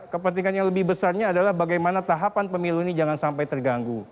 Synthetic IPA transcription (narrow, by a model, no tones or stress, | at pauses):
kəpənt̪iŋanjaŋləbɪhbəsarɲaːdalahbaɡajmanat̪aɦapanpəmiluinid͡ʒaŋansampajt̪ərɡaŋɡu